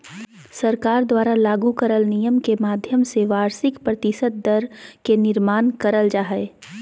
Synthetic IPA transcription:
səɾkaːɾd̪waːɾalaːɡukəɾəlnijəmkemaːd̪ʱjəmseʋaːɾsɪkpɾət̪ɪsət̪̚d̪əɾkenɪɾmaːnkəɾəld͡ʒaːɦɛe

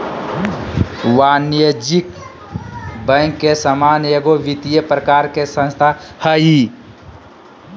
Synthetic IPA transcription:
wanjod͡ʒik | bə̃ŋkːesəmaːneɡoʋit̪ijəpɾəkaːɾkesə̃nst̪ʰahəɦi

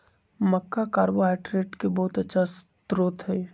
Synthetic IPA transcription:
məkːakaːɾboɦaːʈɾeːʈkebɔɦʊt̪ətːʃʰast̪ɾoːt̪ɦɛː

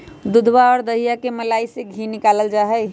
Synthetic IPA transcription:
d̪ʊd̪ʱbaɔːɾd̪əɦijakeməlaiseɡʱinɪkaːləld͡ʒaɦəj

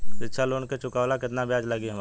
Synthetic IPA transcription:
ɪtːʃʰaloːnket͡ʃʊkaːʋlakɪt̪nabjaːd͡ʒlɐɡiɦə̃m

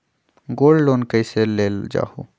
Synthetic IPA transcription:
ɡoːlloːnkəiseleːld͡ʒa̰ːhṵ

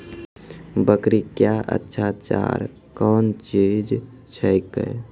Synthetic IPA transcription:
bəkɾikjaʔə̰tːʃʰat͡ʃa̰ɾ | kɔːnt͡ʃid͡ʒ | t͡ʃʰəjkə̰j

